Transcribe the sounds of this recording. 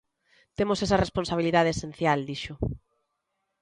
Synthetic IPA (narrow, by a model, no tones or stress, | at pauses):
t̪emosɛsɐresponsaβ̞iliðað̞esẽnθjald̪iʃʊ